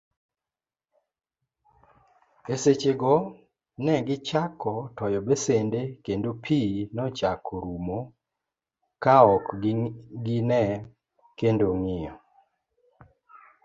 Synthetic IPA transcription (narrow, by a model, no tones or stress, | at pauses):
eset͡ʃeɡɔ | nɛɡɪt͡ʃakɔtɔjɔbesendekendopʰinɔt͡ʃakʰɔɾumo | kaɔk | ɡɪnɛ | kendoŋɪjɔ